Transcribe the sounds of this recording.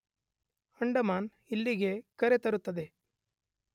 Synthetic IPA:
ɐɳɖɐmaːn | ilːiɡe̞kɐɾe̞t̪ɐɾut̪ːɐd̪e̞

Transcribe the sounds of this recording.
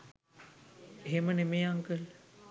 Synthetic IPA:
eɦemənemeːaŋkəl

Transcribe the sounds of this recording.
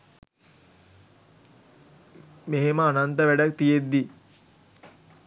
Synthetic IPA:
meɦeməanant̪əʋæɖak̚t̪ijed̪ːi

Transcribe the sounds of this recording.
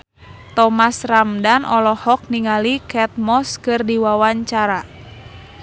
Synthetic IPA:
t̪ɔmasramdanɔlɔhɔk̚niŋalikɛt̪̚mɔskɨrdiwawaɲt͡ʃaɾa

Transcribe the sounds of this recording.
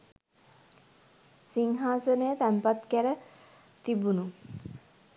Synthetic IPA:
siŋɦaːsənəjət̪æmpat̪kæɾə | t̪ibunu

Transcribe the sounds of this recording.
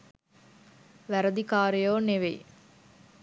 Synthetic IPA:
ʋæɾəd̪ikaːɾijoːneʋḛj

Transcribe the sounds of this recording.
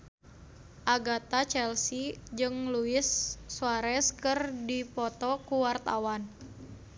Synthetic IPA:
ʔaɡat̪at͡ʃɛlsid͡ʒɨŋluɪsːuaɾɛskɨrdipɔt̪ɔkuwart̪awan

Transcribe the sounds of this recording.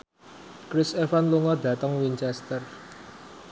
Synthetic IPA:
kɾɪsefanluŋɔd̪̥ä̤t̪əŋwiɲt͡ʃɛst̪ər

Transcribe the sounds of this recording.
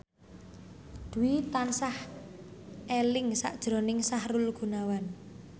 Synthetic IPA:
d̪̥uwit̪ansah | ʔelɪŋsa̰ʔd̥ʒ̥ɾɔ̤nɪŋsahrʊlɡ̥ṳnawan

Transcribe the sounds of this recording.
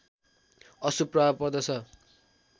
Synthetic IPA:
ʌsupraabpʌrd̪ʌt͡sʰʌ

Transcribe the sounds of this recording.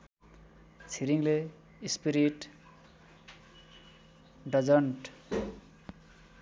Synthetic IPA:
t͡sʰiɾiŋle | ispiɾiʈ | ɖʌd͡zʌɳʈ

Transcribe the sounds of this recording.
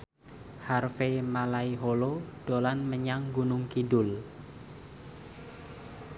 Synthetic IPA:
harfemalaiɦoloɖ̥olanməɲaŋɡunʊŋkidʊl

